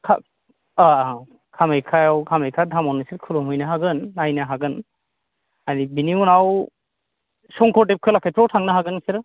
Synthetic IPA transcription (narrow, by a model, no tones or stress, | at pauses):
kʰa̰ | a | kʰamejkʰajawkʰamejkʰadʱamɔnɯsiɾkʰɯlumujnaɦaɡɯnːajnaɦaɡɯn | aɾibiniunaw | sɔŋkʰɔɾtep̚kʰɯlakʰɛpʰawtʰaŋnaɦaɡɯnsiɾ